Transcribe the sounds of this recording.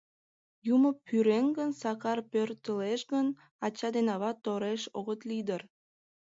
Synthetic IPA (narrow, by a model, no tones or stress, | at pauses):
juməpʰːyɾenɡənsɑkɑrpørt̪əleʃɡən | ɑt͡ɕɑd̪enɑβɑt̪ːoɾeʃoɣət̪lid̪ər